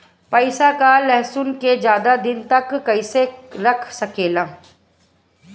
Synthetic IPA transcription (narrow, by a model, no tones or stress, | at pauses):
pɐɪsakalɛɦsʊnked͡ʒjaːd̪ad̪ɪnt̪ɐkːɐɪseɾɐkʰsɐkeːlaː